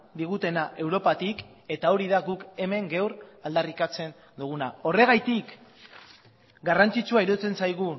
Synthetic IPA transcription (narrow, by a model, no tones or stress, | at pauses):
d̪iɣut̪e̞naʔe̞wɾo̞pat̪ik | e̞t̪ao̞ɾiðaɣuke̞me̞ŋɡe̞wɾald̪arikat͡se̞n | d̪uɣ̞unao̞re̞ɣajt̪ik | ɡarant͡sit͡suaiɾo̞t͡se̞nsajɣu